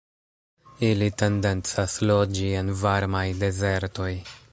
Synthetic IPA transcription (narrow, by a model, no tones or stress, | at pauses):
ilite̞nde̞nt͡saslo̞d͡ʒie̞nvaɾmajde̞ze̞ɾto̞j